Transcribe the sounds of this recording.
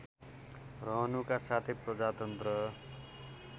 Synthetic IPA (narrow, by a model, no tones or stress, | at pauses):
rʌɦʌnukasat̪ʰeprʌd͡zat̪ʌnt̪rʌ